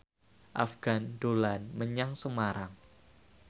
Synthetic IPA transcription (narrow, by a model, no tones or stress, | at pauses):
ʔa̰fɡ̥andolanməɲaŋsəmaɾaŋ